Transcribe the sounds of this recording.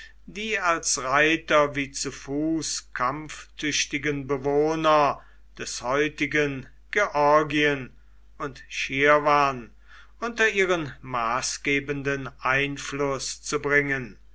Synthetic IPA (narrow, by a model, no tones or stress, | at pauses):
diːalsʁaɪtɐviːt͡sufuːskʰamftʰʏɕtɪɡənbəvoːnɐ | d̥ɛshɔʏtɪɡən | ɡ̥eʔɔɐɡiən | ʊntʃiɐvaːn | ʔʊntɐʔiːʁənmaːsɡ̥eːbəndənʔaɪnflʊst͡subʁɪŋən